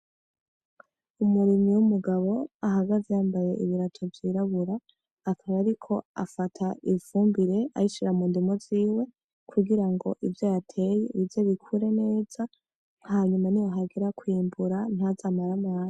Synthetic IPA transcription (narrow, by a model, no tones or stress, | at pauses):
umuɾimɲiwumuɡaβo̞aɦaɡazejaːmbaje̞̰ʔiβiɾatʰo̞vjiːɾaβuɾaː | kʰaβaɾikʰo̞a̰fatʰaiβfuːmbiɾe̞ʔa̰jiʃiɾamuːndimoziːwe̞ | kʰuɡiɾaŋɡo̞̰ʔivjojatʰe̞jeβivjo̞βikʰuɾe̞ne̞ːz̥a | haɲumanijaɦaɡeɾakwiːmbuɾan̥hazamaɾamaːna